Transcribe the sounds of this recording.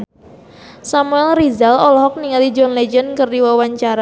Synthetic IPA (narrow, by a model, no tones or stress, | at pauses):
samuɛlrizalolɔɦɔk̚niŋalid͡ʒɔnled͡ʒɛnkərdiwawaɲt͡ʃaɾa